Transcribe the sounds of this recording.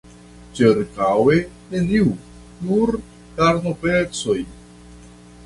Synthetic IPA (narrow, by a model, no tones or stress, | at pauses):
t͡ʃiɾkawe̞ | ne̞niu | nuɾ | taɾnopet͡so̞j